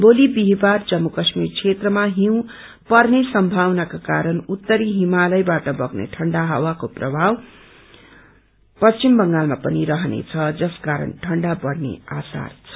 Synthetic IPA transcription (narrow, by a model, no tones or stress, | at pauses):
bolibiɦbard͡zʌmːukʌsmirkʰet̪rʌmaɦiw̃ | pʌrnesʌmbʱawnakakaɾʌnut̪ːʌɾiɦimalʌjbaʈʌbʌɡnḛʈʰʌɳɖaɦʌwakoprʌbʱaw | pʌst͡ʃimbʌŋɡalmapʌniɾʌɦʌnḛt͡sʰʌd͡zʌskaɾʌ̰nʈʰʌɳɖabʌrnḛa̰sa̰rt͡sʰʌ